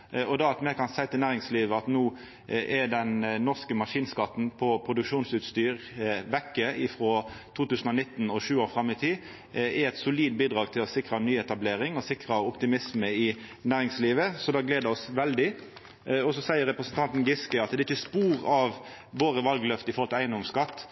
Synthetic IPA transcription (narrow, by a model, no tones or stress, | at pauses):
ɔd̪ɑɑt̪mɛkʰɑnsæɪt̪ɪlnæːʁɪŋsliːʋəɑt̪nuː | ʔɛd̪ɛnnɔʁskəmɑʂiːnskɑt̪ːn̩pʰɔpʰʁʊd̪ʉkʃuːnsʉːt̪st̪yːʁʋɛkːəɪfɾɔt̪ʰuːt̪ʉːsən̩ɔnɪt̪ːnɔʃʉːoːɾfʁɑmːɪt̪ʰiː | ɛɛt̪sʊliːd̪biːd̪ʁɑːɡt̪ʰɪlɔsɪkɾɑnyːɛt̪ɑbleːʁɪŋɔsɪkʁɑɔpt̪ɪmɪsməɪnæːʁɪŋsliːʋəsɔd̪ɑːɡleːd̪əɔsʋɛld̪ɪ | ɔsɔsæɪəʁɛpɾəsnt̪ʰɑnt̪n̩ɡɪskəɑt̪d̪ɛɾɪçəspuːʁɑʋ | ʋoːʁəʋɑlɡlœft̪əɪfɔɾhɔlt̪ɪlæɪənd̪ɔmskɑt̪ː